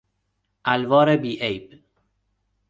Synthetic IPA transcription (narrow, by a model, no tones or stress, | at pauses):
ʔælvɒːɾebiːʔejb